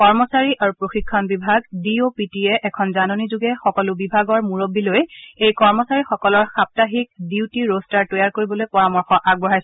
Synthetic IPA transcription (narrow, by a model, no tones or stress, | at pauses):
kɔɹmɔsaɹiʔaɹupɹoxikʰːɔnbibʱaɡdiopitiɛʔɛkʰɔnzanonizuɡɛxɔkɔlʊbibʱaɡɔɹmuɹobːilojejkɔɹmɔsaɹixɔkɔlɔɹxap̚taɦik̚diwtiɹostaɹtojaɹkoɹibɔlojpɔɹamɔɹxɔʔaɡ̚bɔɹajs